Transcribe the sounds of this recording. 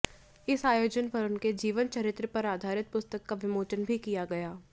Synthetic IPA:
ɪsaːjoːd͡ʒənpɐɾʊnked͡ʒiːʋənt͡ʃɐɾɪt̪ɾəpɐɾaːd̪ʱaːɾɪt̪̚pʊst̪əkːaʋɪmoːt͡ʃənbʱikijaɡɐjaː

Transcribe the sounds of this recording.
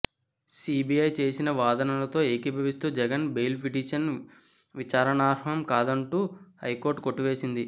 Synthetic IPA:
siːbijɐjt͡ʃe̞ːsinɐʋaːd̪ɐnɐlɐt̪o̞ːeːkibʱɐʋist̪uːd͡ʒɛɡɐnbejlpʰiʈiːʃɐn | ʋit͡ʃaːɾɐɳaːɾɐmkaːd̪ɐɳʈuːhɐjkoːɾʈkoʈːiʋe̞ːsind̪i

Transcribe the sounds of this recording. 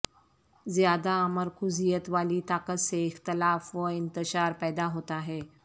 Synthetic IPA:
zjad̪aməɾkʰuzijət̪ʋaliːt̪akət̪seɪxt̪əlafʋəɪnt̪əɕaɾpɛjd̪aɦot̪aɦe

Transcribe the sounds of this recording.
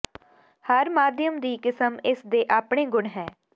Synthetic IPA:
həɾmaːd̪jəmd̪iːkɪsəmɪsd̪eːʔaːpɳeːɡʊɳɦɛː

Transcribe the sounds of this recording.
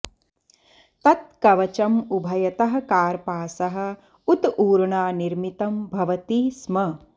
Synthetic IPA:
t̪ɐt̪̚kɐʋɐt͡ʃɐmubʱɐjɐt̪ɐɦɐ̆kaːɾpaːsɐɦɐ̆ | ut̪uːɾɳaːniɾmit̪ɐmbʱɐʋɐt̪iːsmɐ

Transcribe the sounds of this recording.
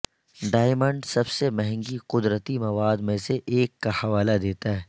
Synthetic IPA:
ɖaːɪmə̃ɳɖsɐbsemɐɦɛ̃ŋɡiqʊd̪ɾət̪imɐʋaːd̪mẽseʔeːkːahɐʋaːlad̪eːt̪aɦɛː

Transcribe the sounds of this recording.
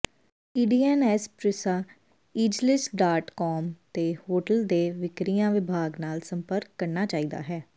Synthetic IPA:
iːɖiːɛːnɛːspɾɪsaː | iːd͡ʒlɪsɖaːʈkɔːmt̪eːhoːʈəld̪eːʋɪkɾijãːʋɪbʱaːɡnaːlsəmpəɾkːəɾnaːt͡ʃaːiːd̪a̰ːɦɛː

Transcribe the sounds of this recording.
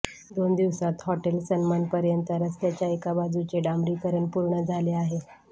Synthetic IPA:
d̪ond̪iʋsat̪hɔʈelsənmanpəɾjənt̪əɾəst̪jat͡ɕjaekabad͡zut͡seɖamɾikəɾəɳpuɾɳəd͡zʱaleaɦe

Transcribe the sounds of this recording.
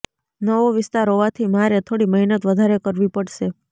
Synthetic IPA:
nəʋoʋɪst̪aɾoʋat̪ʰimaɾet̪ʰoɽiməɦinət̪ʋəd̪ʱaɾekəɾʋipəɽʃe

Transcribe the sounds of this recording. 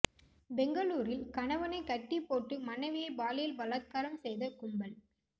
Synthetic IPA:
bɛŋɡɐɭuːɾɪlkɐnɐʋɐnɐɪkɐʈːɪpːoːʈːɯmɐnːɐɪʋɪjɐɪbaːlɪjɪlbɐlɐt̪̚kaːɾɐmsɛjðɐkʊɳbɐɭ

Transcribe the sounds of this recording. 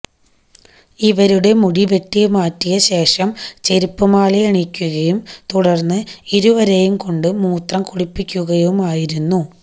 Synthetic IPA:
iʋɐɾuɽe̞muɽiʋeʈːijɐmaːtːijɐɕe̞ːʂɐmt͡ɕe̞ɾipːɨmaːɭiɐɳikʲːuɣɐjumt̪uɽɐrnːɨiɾuʋɐɾe̞jumko̞ɳɖɨmuːt̪rɐmkuɽipːikʲːuɣɐjumaːjiɾunːu

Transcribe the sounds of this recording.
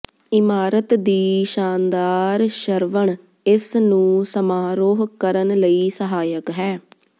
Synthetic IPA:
ɪmaːɾət̪d̪iːʃaːnd̪aːɾʃəɾʋəɳ | ɪsnũːsəmaːɾoːɦkəɾənləiːsəɦaːjəkɦɛː

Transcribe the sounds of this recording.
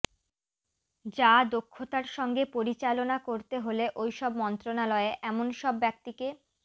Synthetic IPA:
d͡ʑad̪okʰːot̪aɾʃɔŋɡepoɾit͡ɕalonakoɾt̪eɦoleʔojʃɔbmɔnt̪ɾonalɔeʔɛmonʃɔbːɛk̚t̪ike

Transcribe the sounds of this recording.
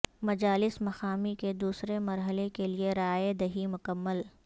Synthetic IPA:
mɐd͡ʒaːlɪsmɐxaːmiked̪uːsɾemɐɾɦəlekelieɾaːed̪ɐɦimʊkəmːəl

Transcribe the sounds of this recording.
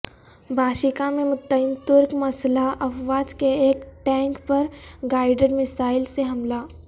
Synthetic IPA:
bʱaːʃɪkamẽmʊt̪ːəɪmt̪ʊɾkmɐslaʔɐfʋaːd͡ʒkeeːkʈɛ̃ːŋkpɐɾɡaːɪɖeɖmɪsaːɪlseɦɐmlaː

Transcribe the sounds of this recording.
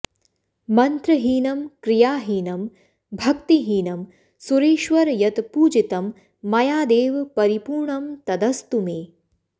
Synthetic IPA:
mɐnt̪ɾɐɦiːnɐmkɾijaːɦiːnɐm | bʱɐkt̪iɦiːnɐm | suɾeːʃʋɐɾjɐt̪puːd͡ʒit̪ɐmː | ɐjaːd̪eːʋpɐɾipuːɾɳɐmt̪ɐd̪ɐst̪umeː

